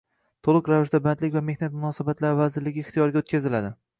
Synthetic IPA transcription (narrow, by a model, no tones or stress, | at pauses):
t̪ʰolˠɨqɾavɪʃd̪abant̪lɪkʲvamehnat̪mʊnɒsabat̪laɾɪvazɪɾlɪɡʲɪɪχt̪ijɒɾɡʲaot̪kʲʰazɪlad̪ɪ